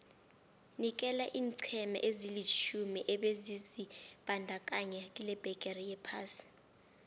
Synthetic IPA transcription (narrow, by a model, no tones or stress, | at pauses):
nik̬ʼɛlaʔiːnǀʰɛmɛ̰ʔezilit͡ʃʰumiʔɛɓezizib̥ʱandʱak̬ʼaɲɛk̬ʼilɛb̥ʱɛkʼɛrijɛpʰaːsi̥